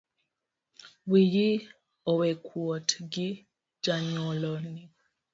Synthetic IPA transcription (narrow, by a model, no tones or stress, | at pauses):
wiji | ɔwɛkʰwɔtɡi | d͡ʒaɲɔlɔni